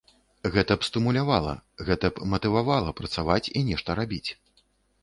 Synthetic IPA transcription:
ɣɛt̪ɐpst̪ɨmulʲavalˠɐ̰ɣɛt̪ɐpmɐt̪ɨvavalˠɐpɾɐt̪savat͡sʲinʲɛʂt̪ɐɾabʲit͡sʲ

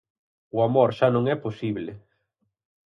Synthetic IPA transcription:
ʊamoɾʃanõŋɛposiβle

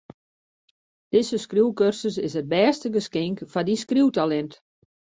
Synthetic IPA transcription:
d̥ɪzəskruwkørsəsɪsət̚bɛːstəɡəskɪŋkfadiskruwtalɛnt

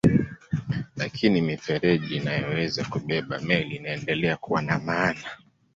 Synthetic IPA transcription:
lakʰinimifɛɾɛʄinajɔwɛzakuɓɛɓa̰mɛliːnaɛndɛlɛakuwanamaːna

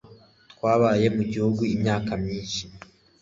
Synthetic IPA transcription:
t̪kwaːβaːje̞muɟihuɡuimɲaːkamɲiːnʃi

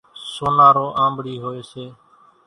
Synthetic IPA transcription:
soːnaːɾoːʔãːmbɽiːɦoːeːseː

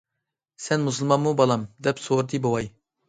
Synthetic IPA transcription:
sɛnmus̬ɨlˠmɑnmubɑlˠɑmd̪ɛpsoɾɨt̪ʰɨbowɑj

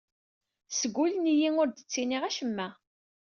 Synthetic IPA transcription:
səɡʷːulənijiŋʊɾd̪ət͡sːiniʁæʃəmːæ

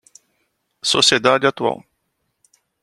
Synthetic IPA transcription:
sosed̪ad̪ʲat̪ua̰w

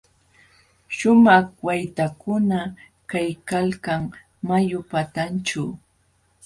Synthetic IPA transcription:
ʃʊmɑχwajt̪akʊna | kajkalkaŋ | majʊpat̪ant͡ʃa

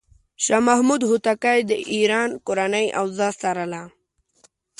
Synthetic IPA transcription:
ɕamaɦmud̪ɦut̪akajd̪əʔiɾaːnkʊɾanajʔa̰wzast̪aɾala

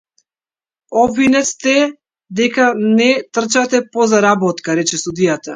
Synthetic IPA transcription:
ɔbvinɛt̪st̪ɛ | d̪ɛkanɛt̪r̩t͡ʃat̪ɛpɔzaɾabɔt̪kaɾɛt͡ʃɛsud̪ijat̪a

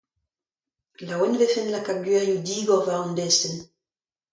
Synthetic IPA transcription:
lawɛnvɛfɛnlakaɡɥɛʁjud̪iːɡɔʁvaʁund̪ɛst̪en

